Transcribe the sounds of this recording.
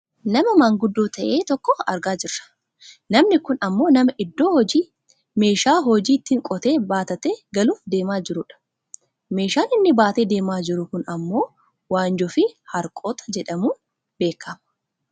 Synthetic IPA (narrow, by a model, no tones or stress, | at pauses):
nɐmɐmaːŋɡʊd̪ːoːt̪ɐʔe̞ːt̪ɔkːɔɐ̰ɾɡaːd͡ʒɪrːɐ̥ | nɐmnɪkʊnɐmːo̞ːnɐmɐʔɪd̪ːo̞ːhɔd͡ʒiː | me̞ːʃaːɦɔd͡ʒiːt̪ːɪŋkʼɔt̪e̞ːbaːt̪ɐt̪eːɡɐluːfd̪e̞ːmaːd͡ʒɪɾʊᶑɐ̥ | me̞ːʃaːnɪnːɪbaːt̪eːd̪e̞ːmaːd͡ʒɪɾʊkʊnɐmːo̞ː | waːnd͡ʒɔfɪhɐɾkʼo̞ːt̪ɐ̥d͡ʒɛᶑɐmuː | be̞ːkʰːɐmɐ